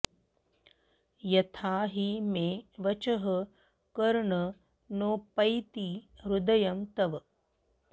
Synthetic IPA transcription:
jɐt̪ʰaːɦimeːʋɐt͡ʃɐɦɐ | kɐɾɳɐ | noːpɐjt̪iɾud̪ɐjɐmt̪ɐʋɐ

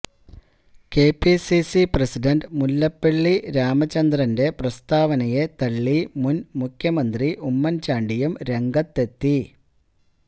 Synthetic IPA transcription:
keːpːisisiprɐsiɖɐnɖmulːɐpːeɭːiɾaːmɐt͡ɕːɐnd̪rɐnde̞prɐst̪aːʋɐnɐjet̪ɐɭːimunmukʰjɐmɐnd̪riʔumːɐnt͡ɕaːɳɖijumɾe̞ŋɡɐt̪ːe̞t̪ːi

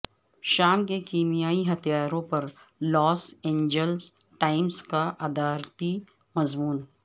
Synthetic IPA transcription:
ʃaːmkekiːmijaːiɦɐt̪ʰijaːɾõpɐɾ | lɔːsẽːɲd͡ʒəls | ʈaːɪmskaʔɐd̪aːɾt̪i | mɐzmuːn

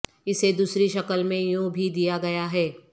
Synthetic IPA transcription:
ɪsed̪uːsɾiʃɐkəlmẽjũbʱid̪ijaɡɐjaɦɛː

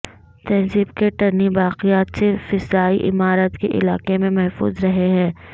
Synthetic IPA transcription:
t̪ɐnzibkeʈɐɾnibaːqɪjaːt̪sefɪzaːiʔɪ̰maːɾət̪keʔɪ̰laːqemẽmɛɦfṵːzɾɐɦeɦɛ̃ː

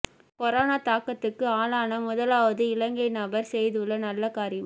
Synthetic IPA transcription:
kɔɾaːnaːt̪aːkːɐt̪ːɯkːɯaːlaːnɐmʊðɐlaːʋɐðɯɪɭɐŋɡɐɪnɐbɐɾsɛjðɯɭːɐnɐlːɐkaːɾɪjɐm

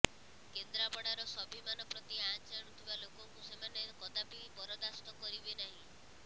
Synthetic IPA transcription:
kend̪ɾabɔɽaɾɔsɔbʱimanɔpɾɔt̪iat͡ʃaɽ̃ut̪ʰibalokɔŋkusemanekɔd̪abibɔɾɔd̪ast̪ɔkɔɾibenaɦĩ

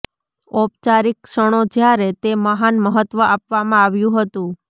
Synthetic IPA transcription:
ɔp̚t͡ʃaɾiksəɽ̃od͡ʒjaɾet̪eməɦanməɦət̪ʋəʔapʋamãaʋjũɦət̪ũ

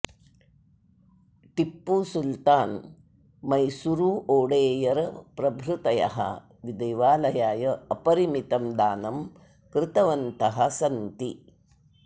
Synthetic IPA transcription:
ʈipːusult̪aːn | mɐjsuɾuːʔoːɽeːjɐɾpɾɐbʱɾut̪ɐjɐ̰ɦɐ̰ | ʋid̪ɐjʋaːlɐjaːjɐɐpɐɾimit̪ɐmd̪aːnɐm | kɾɪt̪ɐʋɐnt̪ɐɦɐsɐnt̪i

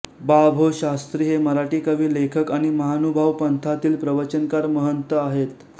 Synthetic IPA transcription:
babʱoɕast̪ɾiːɦeməɾaʈiːkəʋiːlekʰəkaɽ̃iməɦanubʱaʋpənt̪ʰat̪iːlpɾəʋət͡ɕənkaɾməɦənt̪əaɦet̪̚

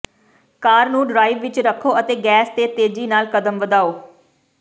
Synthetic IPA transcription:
kaːɾnũːɖɾaːɪʋʋɪt͡ʃɾəkʰːoːət̪eːɡɛːst̪eːt̪eːd͡ʒiːnaːlkəd̪əmʋəd̪aːoː

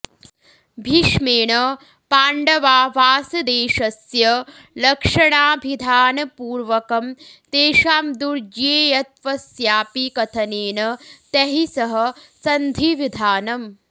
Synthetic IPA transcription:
bʱiʃmeːɳɐ | paːɳɖɐʋaːʋaːsɐd̪eːʃɐsjɐ | lɐkʂɐɳaːbʱid̪ʱaːnɐpuːɾʋɐkɐmt̪eːʃaːmd̪uɾd͡ʒeːjɐt̪̚ʋɐsjaːpikɐt̪ʰɐneːnɐt̪ɐɦisɐɦɐsɐnd̪ʱiʋid̪ʱaːnɐm

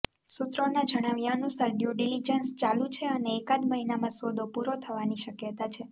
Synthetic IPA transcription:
sut̪ɾonad͡ʒəɽ̃aʋjaənusaɾɖjuɖilid͡ʒənst͡ʃalũt͡ʃʰeəneːkad̪məɦinamãsʋod̪ʱopuɾot̪ʰəʋaniʃəkjət̪at͡ʃʰe

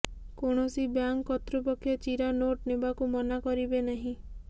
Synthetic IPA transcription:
koɽ̃ɔsibjaŋkːɔt̪ɾupɔkʰjɔt͡ʃiɾanoʈnebakumɔnakɔɾibenaɦĩ

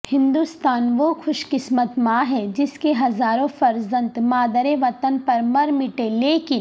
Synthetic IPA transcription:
hɪ̃nd̪uːst̪aːnʋoxʊʃkɪsmət̪mãːɦɛd͡ʒɪskeɦɐzaːɾõfɐɾzə̃nt̪maːd̪əɾẽʋɐt̪ənpɐɾmɐɾmɪʈeleːki

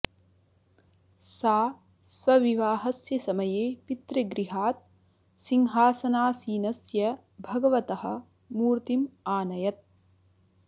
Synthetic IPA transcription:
saː | sʋɐʋiʋaːɦɐsjɐsɐmɐjeːpit̪ɾeɡɾiɦaːt̪̚ | siŋɦaːsɐnaːsiːnɐsjɐ | bʱɐɡɐʋɐt̪ɐɦɐ̰̆ | muːɾt̪imaːnɐjɐt̪̚

